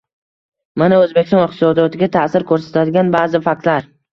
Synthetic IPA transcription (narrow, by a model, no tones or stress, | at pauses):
manaɵzbekʲst̪ɔ̃nɪqt̪ɪsɒd̪ijɒt̪ʰɪɡʲat̪ʰasɪɾkʰɵɾsḁt̪ʰad̪ɪɡʲanbaːzɪfak̚ʲt̪laɾ